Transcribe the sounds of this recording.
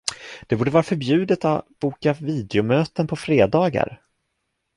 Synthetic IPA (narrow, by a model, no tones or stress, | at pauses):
d̪̥ɛbuːɖəvɑːɾafœɾbjʉ̟ːd̪ət̪avb̥uːkaviːd̪ɛʊmøːt̪ənpʰɔfɾeːd̪ɑːɡa̰ɾ